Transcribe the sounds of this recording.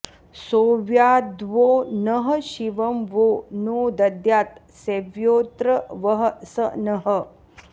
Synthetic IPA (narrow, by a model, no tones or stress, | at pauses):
soːʋjaːd̪ʋoːnɐɦəʃiʋɐmʋoːnoːd̪ɐd̪jaːt̪ | seʋjoːt̪ɾəʋɐɦəsənɐɦə